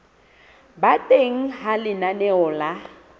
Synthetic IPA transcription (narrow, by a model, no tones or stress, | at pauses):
batʼeŋ̩ɦalɪnanɛɔla